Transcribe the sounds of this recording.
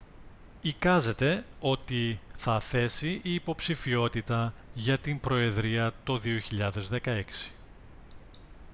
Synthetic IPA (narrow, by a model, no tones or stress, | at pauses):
ikɐze̞t̪e̞o̞t̪iθɐθe̞siiːpo̞psifio̞t̪it̪ɐʝɐt̪imbɾo̞e̞ðɾiɐt̪oðio̞çiʎɐðe̞zðe̞kɐe̞ksi̥